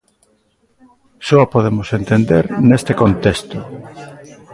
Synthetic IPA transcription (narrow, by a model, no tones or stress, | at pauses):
sɔapoðemʊsent̪end̪eɾnest̪ekont̪est̪o